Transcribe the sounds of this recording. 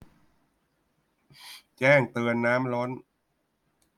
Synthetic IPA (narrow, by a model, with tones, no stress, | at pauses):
t͡ɕɛː˥˩ŋt̪ɯ˧ənːaː˦˥mlɔ˦˥n